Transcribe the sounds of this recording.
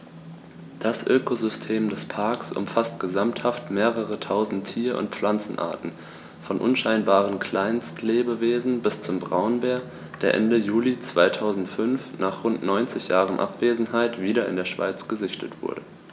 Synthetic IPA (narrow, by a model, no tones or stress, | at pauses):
d̥asʔøːkozʏstʰeːmdɛspʰaɐksʔʊ̰mfastɡ̥əzamthaftmeːʁəʁətʰaʊzn̩tʰːiːɐʔʊ̰nt̚p͡fflant͡sn̩ʔa̰ːɐtn̩ | fɔnʔʊnʃaɪnbaːʁ̞ənkʰl̥aɪnstʰleːbəveːzn̩bɪst͡sʊmbʁaʊnbeːɐ | d̥eːɐʔɛ̰ndəjuːlit͡sv̥aɪtʰaʊzn̩tfʏnfnʔaːχʁʊntnɔʏnt͡sɪçjaːʁənʔa̰pv̥eːzn̩ɦaɪtv̥iːɾɐɪ̰ndeːɐʃv̥a̰ɪt͡sɡ̥əzɪçtʰətv̥ʊ̰ɐdə